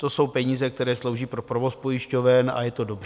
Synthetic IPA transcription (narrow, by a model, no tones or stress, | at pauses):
t̪o̞so̞wpɛɲiːzɛkt̪ɛɾɛːslowʒiːpɾopɾovo̞spo̞jɪʃco̞vɛna̰jɛt̪o̞do̞brɛ